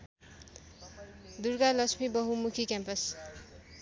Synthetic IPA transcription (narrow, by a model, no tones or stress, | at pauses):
d̪uɾɡalʌsʰmibʌɦumukʰikampʌs